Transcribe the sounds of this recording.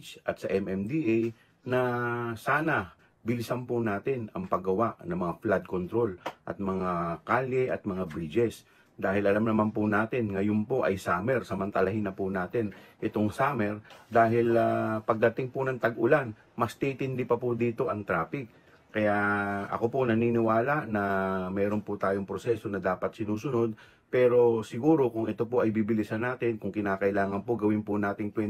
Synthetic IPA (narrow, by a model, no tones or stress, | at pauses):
t͡ʃʔɐt̪sɐʔɛmɛmd̪iʔej | nɐsaːnɐ | bɪlɪsanpʊnaːt̪ɪnɐŋpɐɡɐwaʔnɐŋmɐŋaflad̪̚kont̪ɾo̞lʔɐ̰t̪̚mɐŋakaːlɛʔɐt̪̚mɐŋabɾid͡ʒɛs | d̪aːhɪlʔɐlamnɐmanpʊnaːt̪ɪnŋɐjonpo̞ʔɐjsaːmɛɾsɐmɐnt̪ɐlɐhɪnɐpʊnaːt̪ɪnʔɪt̪oŋsaːmɛɾd̪aːɦɪlapɐɡ̚d̪ɐt̪ɪŋpʊnɐŋt̪ɐɡʔʊlan | mɐst̪it̪ɪnd̪ipɐpʊd̪iːt̪o̞ʔɐŋt̪ɾaːpɪk̚ː | ɐjaʔɐ̰ko̞ponɐniːnɪwaːlɐʔnɐmɛːɾo̞npʊt̪aːjo̞ŋpɾosɛso̞nɐd̪aːpɐt̪̚sɪnuːsʊno̞d̪̚ | pɛːɾo̞sɪɡuːɾo̞kʊŋʔɛt̪o̞po̞ʔɐjbibɪlisɐnaːt̪ɪnkʊŋkɪnaːkɐʔɪlaːŋɐnpoɡɐwɪnpʊnaːt̪ɪŋk̪wɛn